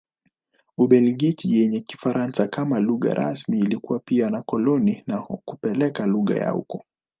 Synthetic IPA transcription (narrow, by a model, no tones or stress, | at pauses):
uɓɛliɡit͡ʃijɛɲɛki̥faɾʔansakamaluɣa̰ɾʔa̰smiːlikuwapianakɔlɔninakupɛlɛkaluɣa̰ja̰ṵkɔ